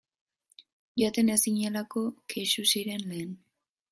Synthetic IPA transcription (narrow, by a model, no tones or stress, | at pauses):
ʝoat̪enesiɲelako̞kʰeʃusiɾe̞nle̞ːn